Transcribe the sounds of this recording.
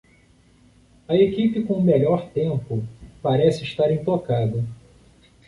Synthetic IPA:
ɐekipɪkõmeʎɔɾt̪ẽmpʊpaɾɛsɪʃt̪aɾĩt̪okad̪ɐ

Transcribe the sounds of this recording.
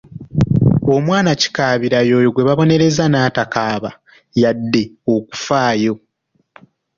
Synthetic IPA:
o̞mwaːnaci̥kaːβiɾajo̞ːjoɡwe̞βaβo̞ne̞ɾe̞zanaːtakaːβa | jadːe̞o̞ku̥faːjo̞

